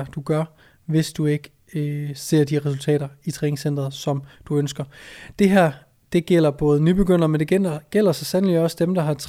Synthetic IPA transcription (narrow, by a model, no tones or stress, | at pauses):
ɐd̥uɡ̥ɶɐ | ʋe̝sd̥ue̝ɡ̥ | se̝ɐ̰d̥iʁɛsult͡sʰɛ̰ːɾɐit͡sʰʁɛːne̝ŋsen̰d̥ʁɐðˠsɒ̽md̥uønsɡ̥ɐd̥e̝ɦæɐ̰ | d̥e̝ɡ̥el̰ɐb̥ɔ̽ːð̞̩ˠnyb̥e̝ɡ̥øn̰ɐmend̥eɡ̥enɡ̥el̰ɐsɑsænlidɒ̽səd̥emd̥ɑ̈ɦɑ̈t͡sʰ